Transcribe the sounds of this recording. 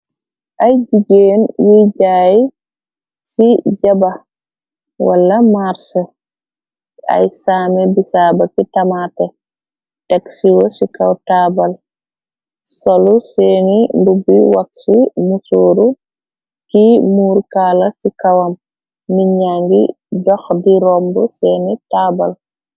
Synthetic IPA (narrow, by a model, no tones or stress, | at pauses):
ʔajd͡ʒiɡenwid͡ʒaji | sid͡ʒaba | wa̰lːamaɾsɛ | a̰jsaːmɛbisaːbakitamaːtɛ | tɛksiwɔsikawtaːbal | sɔlusɛninbubiwaksimusoːɾu | kimuːɾkaːlasikawamː | iɲaŋɡḭ | dɔxdiɾɔmbɔsɛnitaːbal